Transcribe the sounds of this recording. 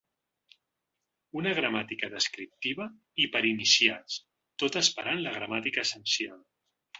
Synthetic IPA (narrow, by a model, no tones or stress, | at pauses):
unəɣ̞ɾəmat̪ikəðəskɾip̚t̪iβə | ipəɾinisias | t̪ot̪əspəɾanləɣ̞ɾəmat̪ikəːsənsialˠ